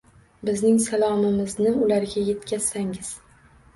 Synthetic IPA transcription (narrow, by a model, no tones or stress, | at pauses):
bɪznɪŋsalˠɒmɪmɪznɪʊlaɾɡʲaje̞t̪kʲʰaz̥saŋɪz̥